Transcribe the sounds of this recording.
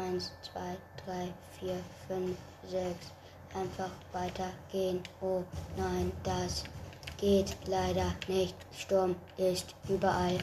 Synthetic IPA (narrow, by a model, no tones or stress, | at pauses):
ʔaɪnst͡sv̥a̰ɪd̥ʁaɪfiːɐfʏnf | zɛks | ʔaɪnfaχv̥aɪtʰɐɡ̥eːənʔoːnaɪnd̥asɡ̥eːtlaɪdɐnɪçt | ʃtʊɐmɪstʔyːbɐʔal